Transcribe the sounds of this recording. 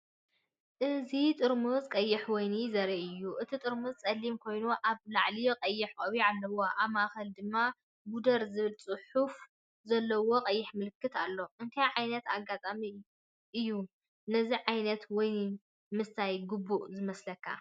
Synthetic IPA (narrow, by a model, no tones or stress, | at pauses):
ʔɨzit̪ʼɨɾmuzkʼɐjːɪħwɔjnizɐɾiʔɨjːuʔɨt̪ʰit̪ʼɨɾmuzt͡sʼɐlːimkʰo̞jnuʔaβlaʕliqʼɐjːɪħkʼɐβialːɐwoʔaβmaʔxɐld̪ɨmːa | bud̪ɐɾzɨβɨlt͡sʼɨħuf | zɐlːɐwo̞qʼɐjːɪħmɨlɨkːɨt̪alːo̞ʔɨnt̪ʰajʕajnɐt̪aɡːat̪ʼami | ʔɨjːu | nɐziʕajnɐt̪wɔj | mɨst̪ʰajɡɨbːuʔzɨmɐslɐkʰːa̰